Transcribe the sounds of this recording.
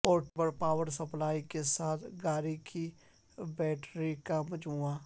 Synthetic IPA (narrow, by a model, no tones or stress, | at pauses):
ɔːɾʈbəɾpaːwəɾsəplaːikesaːt̪ʰɡaːɾikʰi | bɛːʈɾikaməd͡ʒuːãː